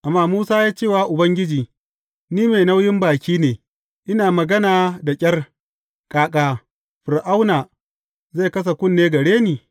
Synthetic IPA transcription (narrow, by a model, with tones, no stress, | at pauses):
ʔa˨mːaː˦muː˦saː˦jaː˦t͡ʃeː˦˨waː˦ʔʊ˨bɐ˦ŋɡʲɪ˦d͡ʒiː˨ | niː˦me˨na˦wjɪ˦mbaː˨kʲiː˦neː˨ | ʔɪ˦naː˨mɐ˨ɡɐ˦naː˨da˨kʲʼɐ˦r | kʼaː˨˦kʼaː˦ | ɸɪ˨ɾʔa˦wnaː˨ | zeː˦˨kɐ˦s̬a˨kʷʊ˦˨nːeː˦ɡɐ˨ɽeː˦niː˨